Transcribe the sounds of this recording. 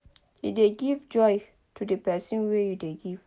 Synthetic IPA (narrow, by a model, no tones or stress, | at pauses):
jṵdeɡivd͡ʒɔj | tʰudəpɛsə̃nwɛjudeɡiv